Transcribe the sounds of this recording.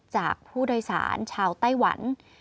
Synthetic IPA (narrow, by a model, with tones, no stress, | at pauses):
t͡ɕaː˨˩k̚pʰuː˥˩do˧jsa̰ː˩˦nt͡ɕʰaː˧wt̪a˥˩jwa̰˩˦n